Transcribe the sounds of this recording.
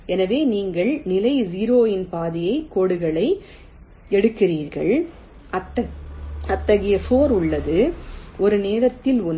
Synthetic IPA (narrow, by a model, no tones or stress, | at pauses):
ɛnɐʋeːniːŋɡɐɭnɪlɐɪziːɾoːjɪnpaːðɪjɐɪkoːɽɯɣɐɭɐɪ | ɛɽɯkːɪriːɾɣɐ̰ɭ | ʔɐt̪ːɐɐt̪ːɐɣɪjɐfoːɾʊɭːɐðɯʔɔɾɯneːɾɐt̪ːɪlʊn